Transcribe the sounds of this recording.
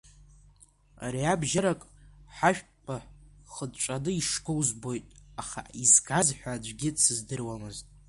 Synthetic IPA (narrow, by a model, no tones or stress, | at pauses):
a̰ɾiabʒaɾakʼħaʃᶣ | pʰʼaχədt͡ʃʷʼanɨiʂkʼɨwzbo̞jtʼaχa̰izɡazħʷᶣad͡ʒʷɡʲɪsɨzdɨrwamɨztʼ